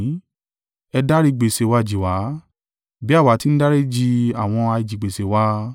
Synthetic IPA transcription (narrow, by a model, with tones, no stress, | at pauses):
ɛ˧da˦ɾi˦˧ɡ͡be˨se˨wa˧˨d͡ʒi˨wa˨˦ | bi˨˦a˦˨wa˨˦ti˦n̩˦da˦ɾe˦d͡ʒi˧a˨w̃ɔ̃˧a˧i˨d͡ʒi˨ɡ͡be˨se˨wa˦